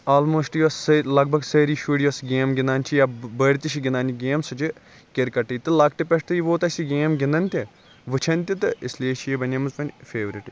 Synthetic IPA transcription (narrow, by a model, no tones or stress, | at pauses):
aːlmoːsʈjɐssɐlɐɡ̚bʱɐɡsɐːɾiːʃuɽʲjʋɐsɡeːmɡʲɪnaːnʲt͡ʃʰijabɐɽʲt̪iʃʰiɡʲinaːnʲiɡeːmsɐt͡ʃʰi | keɾkɐʈɐjt̪ɨlɐk̚ʈ̪ipɐʃt̪ɨjiʋoːt̪ɐsiɡeːmɡɪnɐnʲt̪ʲi | ʋɨt͡ʃʰɐnʲt̪it̪ɨislʲeːʃijibɐnʲɐmɨzpɐnʲfʰeːʋɾiʈi